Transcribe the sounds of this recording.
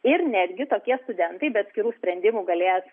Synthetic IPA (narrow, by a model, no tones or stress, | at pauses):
ɪɾnʲɛd̪ʲɡʲɪt̪oːkʲiɛst̪ʊd̪ʲɛnt̪ɐɪbʲɛt̪ɐt̪sʲkʲɪɾuːsʲpʲɾʲɛnʲd̪ʲɪmuːɡɐlʲeːjɛs